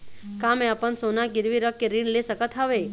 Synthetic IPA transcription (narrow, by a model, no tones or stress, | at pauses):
kameapənsonaɡɪɾʋiɾəkːeɾiɳlesəkət̪ʰaʋe